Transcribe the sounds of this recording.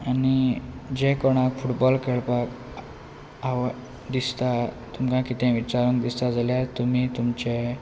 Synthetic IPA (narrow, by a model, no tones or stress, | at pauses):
añid͡ʑekɔɽ̃akfuʈbɔlkeɭpak | aʋ | d̪ist̪a | t̪umkãkit̪ʰɛ̃ʋit͡ɕaɾəŋkd̪ist̪ad͡zaljat̪um̤iːt̪umt͡ɕe